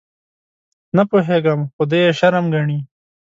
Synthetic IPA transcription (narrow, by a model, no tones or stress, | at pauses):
napoɦeɡamxod̪eeʃɐɾamɡɐɳiː